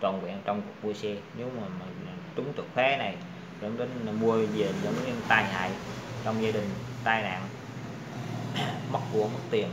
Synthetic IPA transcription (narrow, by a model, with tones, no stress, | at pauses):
t͡ɕɔ˨˩nkwɛ̰˧˨ənt͡ɕɔ˧wŋ͡mku˨˩k̚mu˧əsɛ˧ɲe˨˦wmaː˨˩m˨˩˨t͡ɕʊ˨˦ŋ͡mt̪ɨ˨˩ək̚xwɛ˨˦na˨˩j | zə̰˧˥nɗe˨˦n˨mu˧əze˨˩zə̰˧˥n˧t̪aː˧˩jha̰ː˧˨jt͡ɕɔ˧wŋ͡mzaː˧ɗï˨˩ŋ̟t̪aː˧jna̰ː˧˨n | mə˦˥k̚ku˧˩əm˦˥k̚t̪i˨˩ən